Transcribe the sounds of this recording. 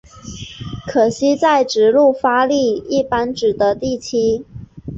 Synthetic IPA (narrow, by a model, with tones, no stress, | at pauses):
kʰɤ˨˩ɕi˥t͡sa˥˩ɪʈ͡ʂɻ̩˨˥lu˥˩fa˥li˥˧i˥˩pa˥nʈ͡ʂɻ̩˨˩d̪ə˧˦t̪i˥˩t͡ɕʰi˥